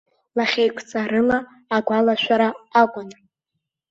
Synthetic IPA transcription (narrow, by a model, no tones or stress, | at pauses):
laχʲejkʷʰt͡sʼaɾɨlaː | ɡʷalaʃʷᶣaɾaːkʷʼana